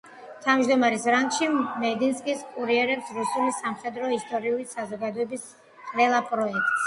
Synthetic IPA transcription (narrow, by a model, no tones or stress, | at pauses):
t̪ʰavmd͡ʒd̪ɔmaɾɛsɾaŋkʃimɛd̪inskʼiskʼuɾiɛɾɛpsɾusulisamχɛd̪ɾɔist̪ʼɔɾiulisazɔɡad̪ɔɛbis | qʼlɛlˠapʼɾɔɛk̚t̪ʼs